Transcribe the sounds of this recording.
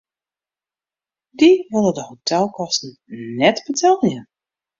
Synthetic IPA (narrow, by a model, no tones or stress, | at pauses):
diʋɪlˠədəhotʰɛlˠkɔstn̩ | nɛtbətʰɛlˠjə